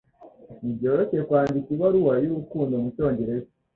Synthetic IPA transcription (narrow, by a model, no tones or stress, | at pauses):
niβjo̞ɾocekwaːndikiβwaɾuwajuɾukuːndo̞muco̞ːɲɟe̞ɾe̞zi